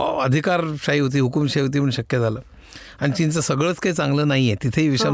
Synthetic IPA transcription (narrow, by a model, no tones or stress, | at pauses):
əd̪ʱikaɾɕaɦiɦot̪̬iːɦukumɕaɦiɦot̪̬iːm̤ʰəɳɕəkjəd͡zʱaləː | aɽ̃it͡ɕint͡səsəɡɭəːt͡skaɦiːt͡sãŋɡləːnaɦijet̪it̪ʰeiʋiɕa